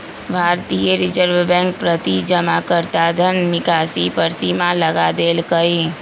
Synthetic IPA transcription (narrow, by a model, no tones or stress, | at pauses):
bʱaːɾt̪ijəɾɪd͡ʒəɾʋbɛ̃ːŋk̚pɾət̪id͡ʒəmakəɾt̪aːd̪ʱənːɪkaːsipəɾsimaləɡad̪eːlkəe